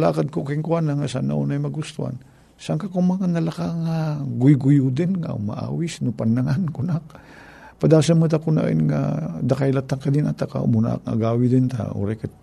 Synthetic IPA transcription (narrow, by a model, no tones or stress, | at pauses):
la̰kad̪̚kokiŋkuanaŋasa̰na̰ʔunajmɐɡʊst̪ua̰n | saŋkakumaŋanalakaŋaɡʊjɡʊjud̪ɪnŋa̰ma̰ʔa̰ːwɪsnʊpanːaŋankʊnak̚ | pad̪aːsanmɨt̪̬akʊna̰ʔḭnŋa̰d̪akajlat̪aŋkad̪ɪna̰t̪aka̰buna̰kŋa̰ɡawid̪ɪnt̪a̰o̰ɾakat̪̚